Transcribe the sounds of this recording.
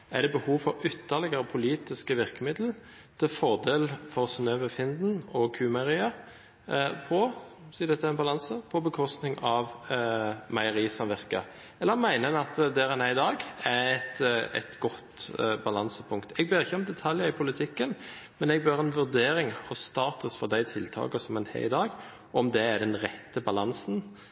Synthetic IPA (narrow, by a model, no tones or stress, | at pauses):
æd̪ɛbəhuːʋfɔʁʏt̪ʰːəʁlɪɡəɾəpʰʊliːt̪ɪskəʋɪʁkəmɪd̪l̩ | t̪ʰɪlfɔʁd̪eːlfɔʁsnøːʋəfɪnd̪n̩ɔkʰʉːmɑʁiːə | pʰɔ | siːd̪ɛt̪ːəæɛnbɑlɑnsəpʰɔbəkʰɔst̪nɪŋɑʋ | mɑɪəɾiːsɑmʋɪʁkə̰ | ɛlːəɾmæɪnənɑt̪d̪æːɾɛnæɪd̪ɑːɡɛɛt̪ɛ̰t̪ɡɔt̪bɑlɑnsəpʰʊŋkt̪ʰɛɡbøːɾɪçːəɔmd̪ɛt̪ʰɑljəɪpʰʊlɪt̪ʰɪkːən | mɛnɛɡ̚bøːʁɛnʋʉʁd̪eːɾɪŋhʊsːt̪ɑːt̪ʊsfɔʁd̪æɪt̪ʰɪlt̪ʰɑ̰ːkəsɔmɛnhɛ̰ɪd̪ɑːɡ | ɔmd̪ɛːd̪ɛnʁɛt̪ːəbɑlɑnsn